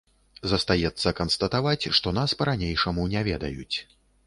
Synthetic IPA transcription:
zɐst̪ajɛt̪sːɐkɐnst̪ɐt̪avat͡sʲʂt̪ɔnaspɐɾanʲejʂɐmunʲɛvʲɛd̪ɐ̰jṵt͡sʲ

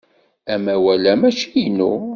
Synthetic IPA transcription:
æmæwælæmæt͡ʃijinṵ

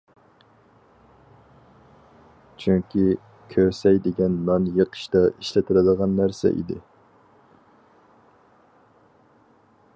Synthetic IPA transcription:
t͡ʃʰyŋkʲi | kʲʰøɾsɛjd̪ɪɡʲɛnmɑnjəqʰə̥ʃt̪ɑʔiʃlɪt̪ʰɨɾɨd̪əʁɑnːæɾsɛ̰ʔḭd̪ɪ̰

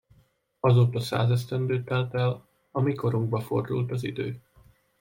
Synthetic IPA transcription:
ɒzoːt̪ɒsa̰ːzɛst̪ɛnd̪øːt̪ɛlt̪ɛl | ɒmiko̞ɾuŋɡ̚bɒfo̞̰rd̪ṵlt̪ɒzid̪ø̰ː

